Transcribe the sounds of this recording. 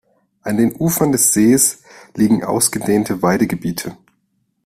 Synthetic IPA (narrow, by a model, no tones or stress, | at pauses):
ʔandeːnʔuːfɐndɛsz̥eːsliːɡŋ̩ʔa̰ʊsɡ̥ədeːntʰəvaɪdəɡəbiːtʰə